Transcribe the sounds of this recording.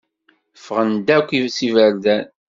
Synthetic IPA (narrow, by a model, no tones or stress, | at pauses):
fəʁənd̪ækʷːivsivəɾd̪æn